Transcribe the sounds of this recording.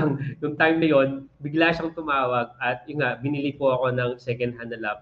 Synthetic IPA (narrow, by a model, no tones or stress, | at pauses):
ŋjʊŋt̪ajmnɐjo̞nbɪɡlaʃɐŋt̪ʊmaːwɐɡ̚ɐt̪̚jʊnŋaʔbɪnilipoɐko̞nɐŋsɛkɐnd̪̚ɦand̪ɐlɐp̚